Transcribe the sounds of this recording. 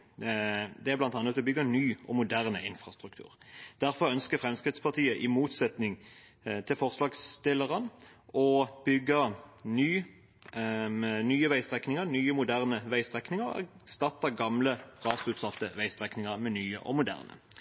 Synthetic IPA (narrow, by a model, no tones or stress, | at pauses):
d̪ɛæʁblɑnt̪ɑnːət̪ɔbʏɡənyːʔɔmʊd̪æʁnəɪnfʁɑst̪ʁʉkt̪ʰʉ̰ːʁd̪̥æɾfɔʁœnskəfʁɛmskʁɪt̪spʰɑt̪ʰiːəʔɪmuːt̪sɛt̪nɪŋ | t̪ʰɪlfɔʁslɑːɡst̪ɪləʁən | ɔb̥ʏɡənyː | mɛnyːəʋæɪst̪ʁɛknɪŋənyːəmʊd̪æʁnəʋæɪst̪ʁɛknɪŋəʁæ̰ | st̪ɑt̪ːəɡɑmləʁɑːsʉt̪sɑft̪əʋæɪst̪ʁɛknɪŋəʁmɛnyːə̰ʔɔ̰mʊd̪æ̰ːʁnə̰